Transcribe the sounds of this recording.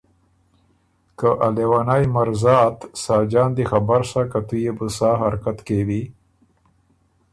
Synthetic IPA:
kaʔalewanajmaɾzɑːt̪sɑːd͡ʒɑːnd̪ixabaɾsakat̪ujebusaːɦaɾkat̪kewi

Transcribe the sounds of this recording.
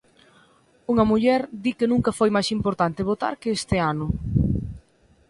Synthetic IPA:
uŋɐmuʎɛɾd̪ikenũŋkɐfojmajsimpoɾt̪ant̪ɪβ̞ot̪a̰ɾkɪest̪ɪanʊ

